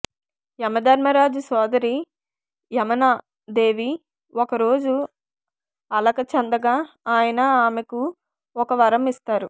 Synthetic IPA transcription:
jɐmɐd̪ɐɾmɐɾaːd͡ʒusɔːd̪ɐɾi | jɐmɐnaː | d̪e̞ːʋi | ɔkɐɾo̞ːd͡ʒu | ɐlɐkɐt͡ʃɐnd̪ɐɡaː | aːjɐnɐaːmeku | ɔkɐʋɐɾɐmist̪aːɾu

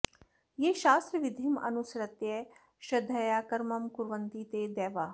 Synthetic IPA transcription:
jeːʃaːst̪ɾɐʋid̪ʱimɐ̰nusɐɾɐt̪je | ʃɐd̪ʱːɐjaːkɐɾmɐmkuɾʋɐnt̪it̪eːd̪ɛːʋaː

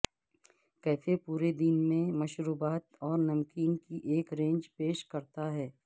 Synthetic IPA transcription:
kɛːsepuːɾed̪inmẽmɐʃɾuːbaːt̪ɔːɾnɐmkɪ̃ŋɡkiʔeːkɾẽːnd͡ʒpeːʃkɐɾt̪aɦɛː

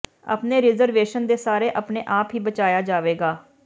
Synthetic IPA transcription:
ə̰pneːɾɪzəɾʋeːʃənd̪eːsaːɾeːʔəpneːʔaːpɦiːbət͡ʃaːjaːd͡ʒaːʋeːɡaː

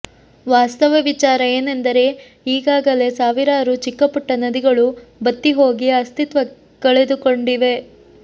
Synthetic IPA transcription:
ʋaːst̪ɐʋɐʋit͡ʃaːɾɐe̞ːnend̪ɐɾe̞ | iːɡaːɡɐle̞saːʋiɾaːɾut͡ʃikːɐpuʈːɐnɐd̪iɡɐɭubɐt̪ːiɦo̞ːɡiɐst̪it̪ʋɐ | keɭed̪uko̞ɳɖiʋe̞

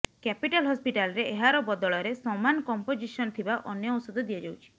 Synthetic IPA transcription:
kɛpiʈalɦɔspiʈalɔɾeeɦaɾɔbɔd̪ɔɭɔɾesɔmanɔkɔmpod͡ʒisɔnɔt̪ʰibaʔɔnjɔusɔd̪ɔd̪iad͡ʒawt͡ʃʰi̥

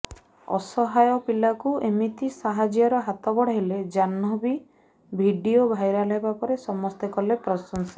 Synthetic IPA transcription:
ɔ̰sɔɦajɔpilakuemit̪isaɦad͡ʒjɔɾɔɦat̪ɔbɔɽ̤aɦeled͡ʒanɔbi | bʱiɖiobʱajɾalebapɔɾesɔmɔst̪ekɔlepɾɔsɔnsɔ

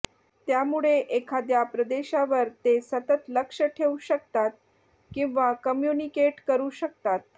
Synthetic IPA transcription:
t̪jamuɭeʔekʰad̪japɾəd̪eɕaʋəɾt̪esət̪ət̪ləkʂəʈʰeuɕək̚t̪at̪̚ | kĩw̃ʋakəmjunikeʈkəɾuːɕək̚t̪at̪̚

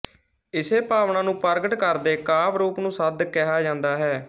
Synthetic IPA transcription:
ɪseːpaːʋɳãːnũːpəɾɡəʈkəɾd̪eːkaːbɾuːpnũːsəd̪kɛɦaːd͡ʒãːnd̪aːɦɛː

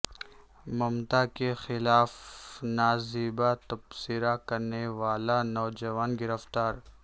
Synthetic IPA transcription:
mɐmt̪akexɪlaːfnaːzibat̪ɐbsiɾakɐɾneʋaːlanɔːd͡ʒɐʋaːnɡɪɾəft̪aːɾ

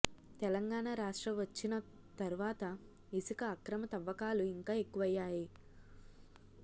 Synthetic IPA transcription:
t̪ɛlɐŋɡaːɳaːɾaːʂʈɾɐʋɐt͡ʃːinɐ | t̪ɐɾuʋaːt̪ɐ | isikɐːkɾɐmɐt̪ɐʋːɐkaːluiŋkaːe̞kːuʋɐjːaːji

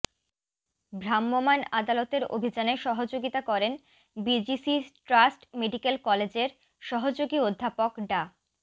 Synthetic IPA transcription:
bɾamːomanad̪alot̪eɾo̰bʱid͡ʑaneʃɔɦod͡ʑoɡit̪akɔɾen | bid͡ʑisiʈɾasʈmeɖikelkɔled͡ʑeɾ | ʃɔɦod͡ʑoɡiod̪ʱːapokɖa

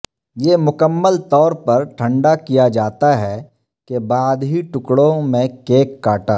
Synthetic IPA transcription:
jeːmʊkəmːəlt̪ɔːɾpɐɾʈʰə̃ɳɖakijad͡ʒaːt̪aɦɛ | kebaːd̪ɦiʈʊkɽõmẽkeːkːaːʈaː

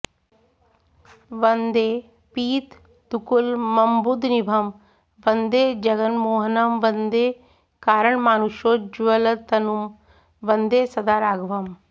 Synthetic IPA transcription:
ʋɐnd̪eː | piːt̪ | d̪ukulmɐmbud̪nibʱɐm | ʋɐnd̪eːd͡ʒɐɡənmoːɦnɐmʋɐnd̪eː | kaːɾəɳmaːnuʃoːd͡ʒʋɐlɐt̪ɐnum | ʋɐnd̪eːsɐd̪aːɾaːɡʋɐm

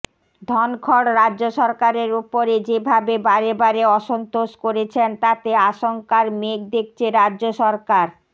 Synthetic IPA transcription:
d̪ʱɔnkʰɔɽɾadʑoʃɔɾkaɾeɾupoɾed͡ʑebʱabebaɾebaɾeɔʃont̪oʃkoɾet͡ɕʰent̪at̪eaʃoŋkaɾmek̚d̪ek̚t͡ɕʰeɾadːʑoʃɔɾkaɾ

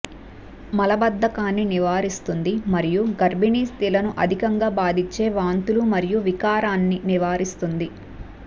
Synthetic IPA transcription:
mɐlɐbɐd̪ːɐkaːnːiniʋaːɾist̪und̪imɐɾijuɡɐɾbiniːst̪ilɐnuʔɐd̪ʱikɐŋɡaːbaːd̪it͡ʃːe̞ːʋaːnt̪ulumɐɾijuʋikaːɾaːnːiniʋaːɾist̪und̪i

